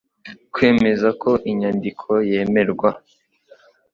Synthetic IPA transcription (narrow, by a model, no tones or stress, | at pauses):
kwe̞ːme̞zakʰo̞ʔiɲandikʰo̞je̞ːme̞ɾɡwa